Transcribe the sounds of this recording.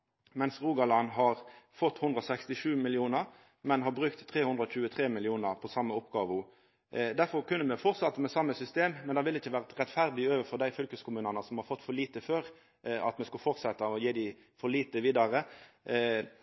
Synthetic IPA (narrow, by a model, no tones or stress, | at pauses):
mɛnsʁuːɡɑlɑnɦɑʁfɔt̪ːhʉnd̪ʁɔsɛkst̪ɪʂʉːmɪlɪuːnəɾ | mɛnhɑbɾʉkt̪ʰːʁeːhʉnd̪ʁɾɔc͡çʉːət̪ʰʁeːmɪlɪuːnəʁpʰɔsɑmːəɔpɡɑːʋʊ | d̪æɾfɔɾkʉnːəmɛfɔɾt̪sɑt̪ːəmɛsɑmːəsʏst̪eːmmːɛnd̪ɑːʋɪlːɪçːəʋæːʁt̪ʁɛt̪fæɾd̪ɪøːʋəfɔd̪æɪfʏlkəskʰʊmʉːnənəsɔmhɑɾfɔt̪ːfɔɭiːt̪əføːɾ | ɑ̰t̪mɛskʉlfɔɾt̪sɛt̪ːɑɔjeːd̪ɪ | fɔliːt̪əʋiːd̪ɑʁə